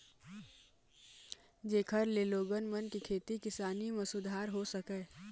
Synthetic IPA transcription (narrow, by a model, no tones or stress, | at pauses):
d͡ʒeːkʰəɾleːloːɡənmənkikʰeːt̪ikɪsaːnimẽsʊd̪ʱaːɾɦosəkeː